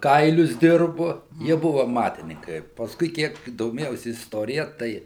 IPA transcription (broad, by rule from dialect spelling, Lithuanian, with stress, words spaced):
ˈkɐɪlʲʊs ˈdʲɪrbʊ ˈjiɛ ˈbʊʋʊ ɐˈmɑːtʲɪnʲɪŋkɐɪ pɐsˈkʊɪ ˈkʲiɛk doːˈmʲeːjɛʊsʲɪ ɪsˈtoːrʲɪjɛ ˈtɐɪ